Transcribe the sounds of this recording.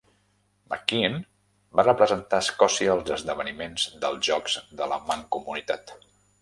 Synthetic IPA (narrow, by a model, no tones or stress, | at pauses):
mə̰kin | barəpɾəzənt̪aːskɔsiəːlˠzəzðəβənimenzd̪əlˠzʒɔkz̥ðələ̰maŋkumunit̪a̰t̪